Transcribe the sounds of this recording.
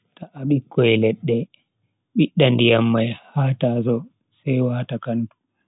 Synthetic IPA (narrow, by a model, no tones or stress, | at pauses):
taʔaɓikʰːɔjɛlɛɗːɛ | ɓiɗːandijamːajhaːtaːs̬ɔ | sɛjwaːtakantu̥